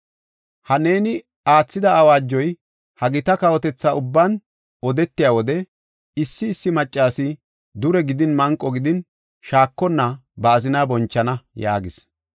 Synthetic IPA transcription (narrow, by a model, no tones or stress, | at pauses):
hɐne̞ːnɪ | aːt͡sːɪd̪ɐːwaːd͡ʒːɔj | hɐɡɪt̪ɐkɐwɔt̪ɛt͡sːaʊbːan | ɔd̪ɛt̪ːɪjaːwɔd̪ɛ | ɪsːɪːsːɪmɐt͡ʃʼːaːsɪ | d̪ʊɾɛɡɪd̪ɪnmɐŋkʼːɔɡɪd̪ɪn | ʃaːkːɔnːɐbɐːzɪnaːbɔnt͡ʃːɐnɐja̰ːɡɪs